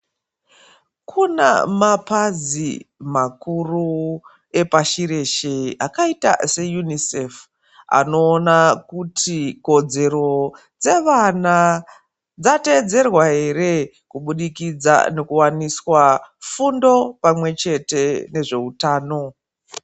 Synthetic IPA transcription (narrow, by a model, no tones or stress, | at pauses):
kʰuna̰mapazimakuru | e̞paʃiɾe̞ʃeakaita̰se̞junisef | a̰no̞ːnakutʰiko̞d͡ze̞ɾo̞ | d͡ze̞ʋana | d͡zate̞ːd͡ze̞rwaɦe̞re̞ | kuɓuɗikid͡za̰ne̞kuwaniswafundo̞pamwe̞t͡ʃe̞te̞ne̞ʐe̞utaːno̞